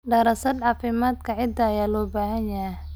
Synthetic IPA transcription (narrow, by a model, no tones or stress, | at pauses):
ɖɐɾɐsɐd̪ʕɑːfɪmaːd̪kʰɐʕɪd̪ɐjaːlɔːbaːɦɐnjɐɦɛ